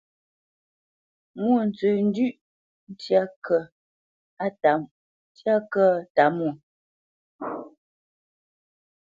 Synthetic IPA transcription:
mu˦˨n̩˨t͡sʉ˨n̩˦dʉ˦ʔ | n̩˦tja˦kʰə˨ | a˦˨ta˨m˦ | tja˦kə˦ta˨˦mu˦˨

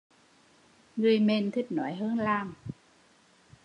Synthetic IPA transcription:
ŋɨ˨˧˩əjme˧˩nt̪ʰi˦˥k̚nɔ˨˦jɦəː˧nlaː˧˩m

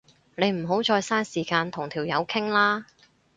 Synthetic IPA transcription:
ne˨˧jm̩˨˩ɦo˨˥wt͡sɔː˧jsaː˥nsiː˨˩kaː˧nt̪ʰʊ˨˩ŋt̪ʰiː˨˩wjɐ˨˧wkʰɪ˥ŋlaː˥

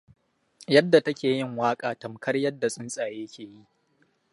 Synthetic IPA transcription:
jɐ˦dːa˨tɐ˦kʲeː˨jɪ˦ŋwaː˦kʼaː˨tɐ˨mkʰɐ˦rjɐ˦dːa˨sʼɪ˦nsʼaː˨jeː˦kʲeː˨ji˦ʔ

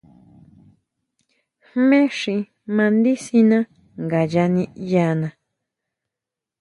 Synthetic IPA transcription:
hmẽ˦ʂĩ˧ | mã˧nd̪i˦si˧nã˦ | ŋɡa˨ja˧nĩ˧ja˧nã˧

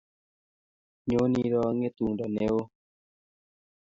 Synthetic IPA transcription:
ɲo˨˦ni˦ɾɔ˦ŋe˦t̪u˨ŋdɔ˨ne˦o˦

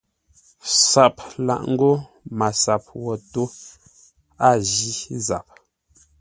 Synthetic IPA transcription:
sa˨p̚la̰˨ʔŋ̩˦ɡo˦ | ma˨sa˨p̚wɔ˨to˦ | a˦˨ʒi˦za˨p̚

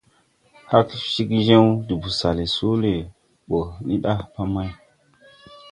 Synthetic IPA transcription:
ha˦kʃi˦kʒe˦wdi˨bu˨sa˨le˨su˦le˨ | ɓo˨ni˦ɗa˦pa˦ma˦j

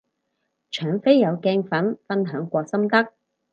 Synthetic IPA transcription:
t͡ʃʰœː˨˥ŋfe˥jːɐ˨˧wkɛː˥ŋfɐ˨˥nfɐ˥nɦœː˨˥ŋkʷɔː˧k̚sɐ˥mt̪ɐ˥k̚

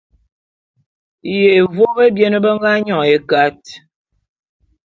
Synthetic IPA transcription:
je˨vo˦be˦bjɛ˦nə˦bə˦ŋ˦ɡa˦ɲɔ˨e˨˦ka˦t̚

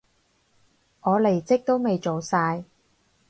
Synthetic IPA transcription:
ʔɔː˨˧le˨˩jt͡sɪ˥k̚t̪o˥wme˨jt͡ʃo˨wsaː˧j

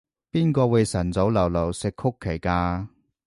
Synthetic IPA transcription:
piː˥nkɔː˧we˨˧jsɐ˨˩nt͡so˨˥wlɐ˨˩wlɐ˨˩wsɪ˨kʰʊ˥kʰːe˨˩jkaː˧

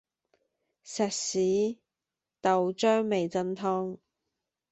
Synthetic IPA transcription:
sɛː˨t̚siː˨˥ | t̪ɐ˨wt͡ʃœː˥ŋme˨jt͡sɐ˥nt̪ʰɔː˥ŋ

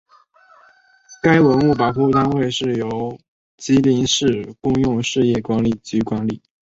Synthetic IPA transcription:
ka˥ɪwə˧˥nu˥˩pa˨˩pʰu˥˧t̪a˥nwe˥˧ɪʂɻ̩˥˩jo˧˥ʊ˥ʊ | t͡ɕi˧˥li˧˥ŋʂɻ̩˥˧kʊ˥˧ŋjʊ˥˧ŋʂɻ̩˥˧jɛ˥˩kwa˧˥nli˥˩t͡ɕy˥kwa˧˥nli˨˩

